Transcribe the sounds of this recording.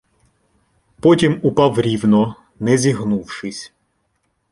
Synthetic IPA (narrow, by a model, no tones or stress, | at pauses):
pɔtʲimʊpɑwɾʲiwnɔ | nɛzʲiɦnuwʃɪsʲ